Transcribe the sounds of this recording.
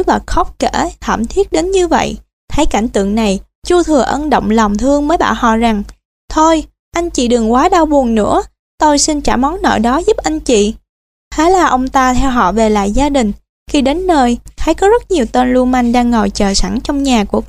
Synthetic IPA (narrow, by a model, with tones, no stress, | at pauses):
ɓa˨˩k̚xɔ˦˥k͡p̚ke˧˩˥t̪ʰa̰ː˧˩mt̪ʰi˦˥ət̚ɗe˨˦nɲɨ˧və̰˧˨j | t̪ʰə˨˦jka˧˩jŋ̟t̪ɨ̰˧˨əŋna˨˩j | t͡ɕu˧t̪ʰɨ˨˩əʔə˧nɗo̰˧˨wŋ͡mlɔ˨˩wŋ͡mt̪ʰɨ˧əŋməː˨˦jɓa̰ː˧˨whɔ̰˧˨za˨˩ŋ | t̪ʰo˧j | ʔa˧jŋ̟t͡ɕḭ˧˨ɗɨ˨˩ŋkwaː˨˦ɗaː˧wɓu˨˩ənnɨ̰˧˥ə | t̪o˧jsi˧nt͡ɕa̰ː˧˩mɔ˨˦wŋ͡mnɔ̰˧˨jɗɔ˨˦zu˦˥p̚ʔa˧jŋ̟t͡ɕḭ˧˨ | hʰe˨˦laː˨˩ʔə˧wŋ͡mt̪aː˧t̪ʰɛ˧wɦɔ̰˧˨ve˨˩la̰ː˧˨jzaː˧ɗï˨˩ŋ̟ | xi˧ɗe˨˦nːəː˧jha̰˨˧˥jkɔ˨˦zə˦˥t̚ɲi˨˩əwt̪e˧nlu˧ənma˧jŋ̟ɗaː˧ŋːə˨˩jt͡ɕəː˨˩sa˧˩ŋt͡ɕɔ˧wŋ͡mɲaː˨˩ku˧˩ə